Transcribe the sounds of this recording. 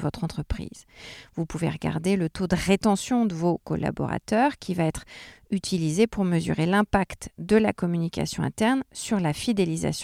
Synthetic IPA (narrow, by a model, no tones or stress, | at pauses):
vɔt̪χɑ̃t̪χəpχḭːz̥vupuvḛʁəɡa̰ʁd̪elət̪od̪əʁet̪ɑ̃sjɔ̃d̪əvokɔ̰lʔa̰bɔ̰ʁa̰t̪œʁkʲivaɛt̪χyt̪ʰilizepuʁməzy̰ʁelɛ̃pakt̪d̪əla̰kɔmynikʲa̰sjɔ̃ɛ̰̃t̪ɛʁnsyʁlafid̪eliza̰sj̃